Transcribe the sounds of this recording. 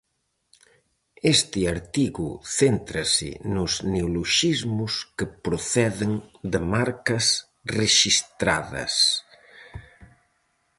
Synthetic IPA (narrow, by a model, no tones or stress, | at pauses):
est̪ɪaɾt̪iɣṵθent̪ɾɐsɪ̰nʊzneuloʃizmʊskəpɾoθɛðɪŋd̪əmaɾkɐs | reʃist̪ɾa̰ðɐ̰s